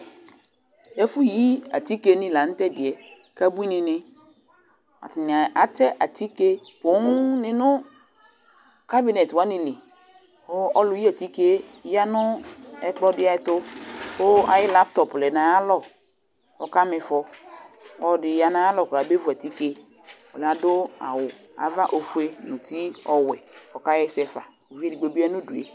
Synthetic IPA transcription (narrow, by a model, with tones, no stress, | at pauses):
ɛ˦fʊ˦ji˦a˨ti˦ke˦nɪ̃˨la˨n̩˦tɛ˦dɪ˨ɛ˨ | ka˦bu˦i˦nɪ̃˨nɪ˦ | a̰˨tɪ˨n˨a˨a˦tɛ˦ʔa˨ti˦ke˦pʊ˨˦nɪ̃˦nʊ˦ | ka˦bi˦nɛ˨twa˨˦nɪ̃˨lɪ˨ | o˦ɔ˦lʊ˨ji˦a˨ti˦ke˦ja˦nʊ˦ɛ˦k͡pɔ˦dɪ˦a˦ɪ˦tʊ˦o˦a̰˨jɪ˦la˦p̚tɔ˨plɛ˨na˨a˦lɔ˨ | ɔ̰˨ka˦mɪ˨fɔ˨ | ɔ˨dɪ˨ja˨nã˨˦a˦lɔ˨ka˨be˦vu˨a˨ti˦ke˦ | ɔ˨la˨dʊ˦a̰˨wʊ˨ | a̰˨va˦ʔo˨fu˨˦e˦nʊ̃˨ti˦ɔ˨wɛ˨ɔ˨ka˦jɛ˦sɛ˦fa̰˨ | o˨ve˦di˨ɡ͡bo˨bi˦a˦nʊ̃˦du˨ḛ˨